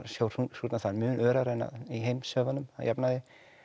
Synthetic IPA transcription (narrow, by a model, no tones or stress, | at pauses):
sjowɾhusut̪naθalmʏːnʔœːɾaɾena̰ðiɦejmsœːvanʏmha̰japnaðɪ